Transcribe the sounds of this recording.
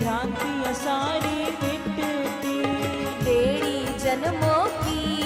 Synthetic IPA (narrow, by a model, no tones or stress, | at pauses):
ɾãːnt̪iɐsaːɾiːmɪpɾt̪id̪eːɽiː | d͡ʒɐnmoːkiː